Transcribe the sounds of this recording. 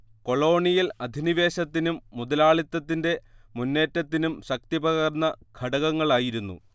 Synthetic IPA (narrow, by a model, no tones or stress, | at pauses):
ko̞ɭo̞ːɳijilɐd̪ʱiniʋe̞ːɕɐt̪ːinumːuðɐlaːɭit̪ːɐt̪ːinde̞munːe̞ːtːɐt̪ːinumɕɐk̚t̪ibɐɣɐrnːɐɡ̥ʱɐɽɐɣɐŋːɐɭaːjiɾunːṵ